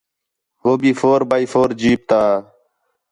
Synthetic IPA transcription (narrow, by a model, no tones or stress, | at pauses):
ɦoːbiːfoːɾbaːiːfoːɾd͡ʒiːp̚t̪aː